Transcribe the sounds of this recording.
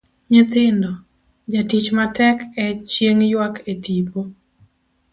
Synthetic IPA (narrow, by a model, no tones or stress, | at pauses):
ɲɪt̪ɪndɔ | d͡ʒatit͡ʃmatɛkɛt͡ʃjeŋjwaketipo